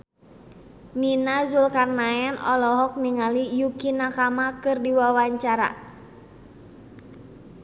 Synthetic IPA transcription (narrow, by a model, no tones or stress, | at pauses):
minazulkarnaɛnɔlɔɦɔk̚niŋalijukinakamakɨrdiwawaɲt͡ʃaɾa̰